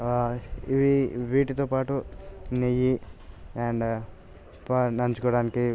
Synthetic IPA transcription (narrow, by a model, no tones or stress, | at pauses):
iʋiʋiːʈit̪oːpaːʈunejiɛɳɖ | panɐɲt͡ʃukɔːɽaːniki